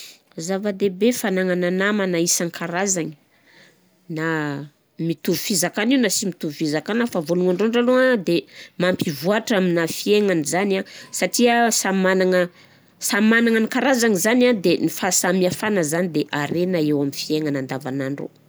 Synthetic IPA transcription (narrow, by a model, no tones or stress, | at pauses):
zavad̪ebefanaŋananamanaisaŋikʰaɾazaŋə̥ | na | mit̪uɾufizakaniwnasimit̪uvufizakanafavoluŋaɳɖ͡ʐoɳɖ͡ʐaload̪emampivuaʈ͡ʂaminafieŋanizanasaʈ͡ʂiəsamanaŋə | samanaŋanikaɾazaŋizanad̪enifasamiafanəzanid̪eʔaɾenaewaminfieŋanand̪avanaɳɖ͡ʐo̰